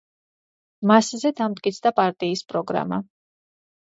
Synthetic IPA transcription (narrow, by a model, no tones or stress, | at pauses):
maszɛd̪amd̪̚kʼit̪sʰd̪apʼaɾt̪ʼiːspʼɾɔɡɾa̰ma̰